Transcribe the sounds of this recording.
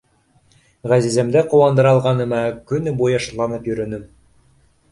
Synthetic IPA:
ʁæzizæmd̪æqŏwɑnd̪ɤ̆ɾɑlˠʁɑnɤ̆mækɵnbujɑʃɤ̆t̪lˠɑnɤpjɵ̆ɾɵ̆nɘm

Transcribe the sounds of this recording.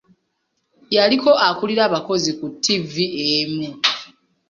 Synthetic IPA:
jaliko̞ʔakuliɾaːβako̞zikutːiviemu

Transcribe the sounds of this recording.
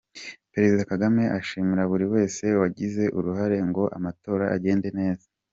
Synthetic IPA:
pe̞ɾe̞zidakaɡame̞ʔaʃiːmiɾaβuɾiwe̞ːse̞waɟize̞ʔuɾuɦaɾe̞ŋɡo̞ʔa̰mato̞ːɾaʔa̰ɟe̞ːnde̞ne̞ːzḁ

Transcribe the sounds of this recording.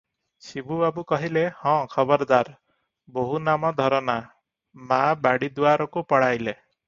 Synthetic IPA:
sibubabukɔɦilehɔ̃kʰɔbɔɾd̪aɾ | boɦunamɔd̪ʱɔɾɔna | mabaɽid̪uaɾɔkupɔɽajle

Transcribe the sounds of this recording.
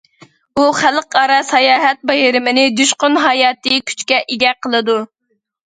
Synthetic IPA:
uχælqɑɾɑsɑjɑːɦɛt̪̚bɛɦɪɾɪmɪnɪd̪yʃqʊnɦɑjɑːt̪ɨkʲʰy̥t͡ʃkʲɛʔeɡʲɛqʰəlˠɨd̪u

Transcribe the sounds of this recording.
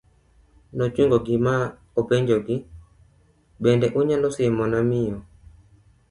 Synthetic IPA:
nɔt͡ʃwiŋɡɔɡɪma | opeɲd͡ʒoɡɪ | ɓɛndɛʔuɲalɔsɪɛmɔnamɪɔ

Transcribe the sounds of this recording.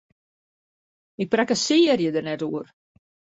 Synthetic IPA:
ɪk̚prɛkəsiːərjədərnɛtuər

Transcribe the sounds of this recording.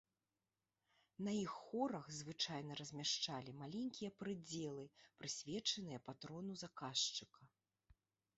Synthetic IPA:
nɐjixːɔɾɐɣzvɨt͡ʂajnɐɾɐzʲmʲaʂt͡ʂalʲimalʲenʲkʲijɐpɾɨd͡zʲɛlˠɨpɾɨsʲvʲɛt͡ʂɐnɨjɐpat̪ɾɔnuzakaʂt͡ʂɨkɐ

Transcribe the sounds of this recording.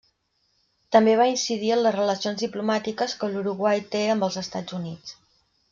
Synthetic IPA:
t̪əmbeβ̞ainsið̞iənləzrələsionzðiplumat̪ikəskəluɾuɣwajt̪eəmbəlˠzəst̪ad͡zunit͡s

